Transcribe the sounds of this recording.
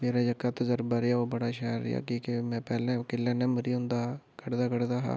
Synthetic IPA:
meːɾaːd͡ʒəkaːt̪əzəɾbaːɾɪaːoːbəɽaːʃaːɾːɪ̰a̰ːkiːkemɛ̃ːpɛːlɛ̃ːkɪlːɛ̃ːnəməɾiːɦʊ̃nd̪aːkəɽd̪aːkəɽd̪aːɦa̰ː

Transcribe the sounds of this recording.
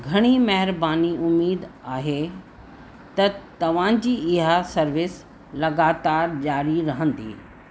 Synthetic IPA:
ɡʱɐɽ̃imɐɦɪɾbaːniʔʊmiːd̪aːɦe | t̪ɐt̪ɐʋ̤ãd͡ʑiːɪɦasɐɾʋɪs | lɐɡaːt̪aːɾd͡ʑaːɾiɾɐɦə̃nd̪ḭː

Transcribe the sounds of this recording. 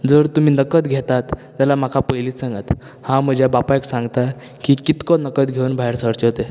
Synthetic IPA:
d͡zəɾt̪um̤iːnəkət̪ɡʱet̪at̪ | d͡ʑalam̤akʰapəjliːsaŋɡət̪ | hãm̤əd͡ʑʱjabapajksãŋɡt̪a | kikit̪kɔnəkət̪ɡʱeuːnbʱaɦeɾsəɾt͡ɕeɦot̪e

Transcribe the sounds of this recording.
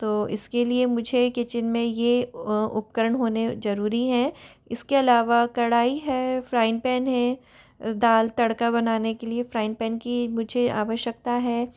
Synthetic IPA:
t̪oːɪ̰skeliemʊd͡ʒʱekɪt͡ʃɪnmẽjeʊ̰p̚kəɾəɳɦoːnezɐɾuːɾiɦɛ̃ | ɪskeɐlaːʋakɐɽaːiɦɛːfɾaːɪ̃npɛːnɦɛ̃ | d̪aːlt̪ɐɽkabɐnaːnekeliefɾaːɪ̃npɛːnkimʊd͡ʒʱea̰ːʋəʃjək̚t̪aɦɛː

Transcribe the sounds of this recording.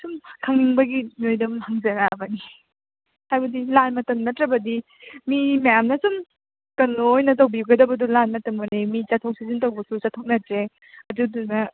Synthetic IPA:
sumkʰaŋːiŋbɐɡinojdɐmhaŋzɐnabani | hajbɐdilanmɐtɐmnɐtɾɐbɐdi | mimajamnɐsum | kɐnojnɐt̬awbiɡɐdɐbɐdulanmɐtɐmɐnemit͡ʃatʰɔk̚sizintawbɐsut͡ʃatʰɔk̚nɐtɾe | ɐduduŋnɐ

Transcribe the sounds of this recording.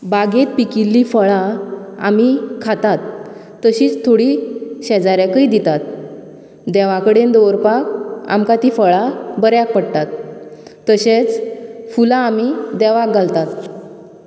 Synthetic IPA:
baɡet̪̚pikilːifəɭaa̰mikʰat̪at̪ː | əɕiːt͡st̪ʰoɽiɕɛd͡zaɾjakəid̪it̪at̪̚ | d̪ɛʋãkəɽend̪oɾpak̚a̰mkat̪iːfəɭabəɾjak̚pəɽt̪at̪ː | əɕet͡sfulaːmid̪ɛʋak̚ɡalt̪at̪

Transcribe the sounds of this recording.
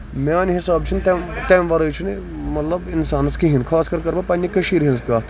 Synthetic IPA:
mʲaːnɦisaːb̚t͡ʃʰint̪emt̪emʋɐɾɐt͡ʃʰini | mɐt̪lɐbɪnsaːnɐskiɦinkʰaːskɐɾkɐɾbɐpɐnʲjikɐʃiːɾɦinskʲaː

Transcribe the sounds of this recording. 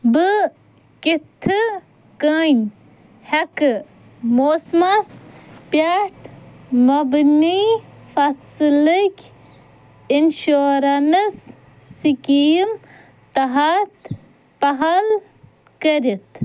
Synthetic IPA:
bɨ | kit̪ʰːɨ | kən | hɐk | moːsmɐspaʈʰ | mɐbnifɐsləkʲ | inʃoːɾɐnɨsː | ikiːm | t̪ɐɦat̪ | pɐɦɐl | kəɾit̪

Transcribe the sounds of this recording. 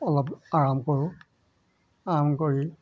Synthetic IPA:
ɔlɔpaɹamkoɹʊ | aɹamkoɹi

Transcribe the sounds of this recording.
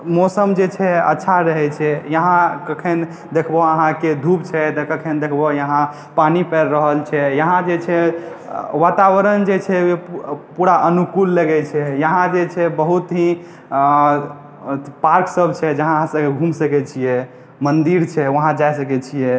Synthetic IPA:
mɔsəmd͡ʒet͡ʃʰɛə̰tːʃʰaɾəɦɛt͡ʃʰɛjəɦãkəkʰen | d̪ekʰbɔəɦãked̪ʱupt͡ʃʰɛt̪ɔkəkʰend̪ekʰbɔjəɦã | panipɛɾːəɦəlt͡ʃʰɛjəɦãd͡ʒet͡ʃʰɛ | ʋat̪awəɾənd͡ʒet͡ʃʰɛjepuɾaʔənukulːəɡɛt͡ʃʰɛjəɦãd͡ʒet͡ʃʰɛbəɦut̪ɦĩ | paɾksəbt͡ʃʰɛd͡ʒəɦãəɦãsəbkeɡʱumsəkɛt͡ʃʰijɛ | mənd̪iɾt͡ʃʰɛʋəɦãd͡ʒajsəkɛt͡ʃʰijɛ

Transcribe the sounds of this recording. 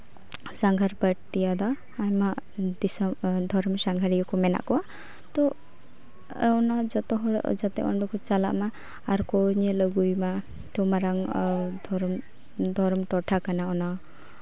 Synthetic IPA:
saŋɡʱaɾbəʈt̪ijad̪aː | mad̪isɔd̪ʱɔɾmsaŋɡʱaɾijɔkɔmɛna̰ʔkɔwa | t̪ɔ | ɔnad͡ʒɔt̪ɔɦɔɽ̰d͡ʒat̪ɛʔɔ̰ɳɖɔkɔt͡ʃala̰ʔmaː | ɾkɔɲɛləɡujma | t̪ɔmaɾaŋd̪ʱɔɾm | d̪ʱɔɾɔmʈɔʈʰakanaɔna

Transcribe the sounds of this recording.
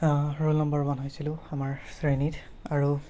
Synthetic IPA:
ɹulnɔmbɔɹmanɦojsilʊ̃amaɹsɹenit | aɹu

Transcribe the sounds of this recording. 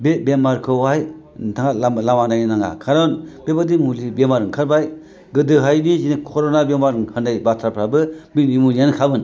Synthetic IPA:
bebemaɾkʰɯwaj | tʰaŋaalamanajnnaŋa̰kʰaɾɔnb̥ebadimulibemaɾɯŋkʰɯɾbaj | ɡɯdɯɦajbizinikʰɔɾɔnabemaɾɯŋkʰɯɾnajbatʰaɾpʰɾabɯmiimunijankʰabɯn

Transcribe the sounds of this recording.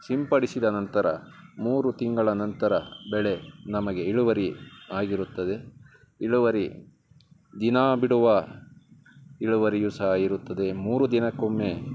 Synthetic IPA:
simpɐɽisid̪ɐnɐnt̪ɐɾɐ̰muːɾut̪iŋɡɐɭɐnɐnt̪ɐɾɐbɛɭe̞nɐmɐɡe̞iɭuʋɐɾiaːɡiɾut̪ːɐd̪e̞ | iɭuʋɐɾi | d̪inaːbiɽuʋɐ | iɭuʋɐɾijusajiɾut̪ːɐd̪e̞muːɾud̪inɐkomːe

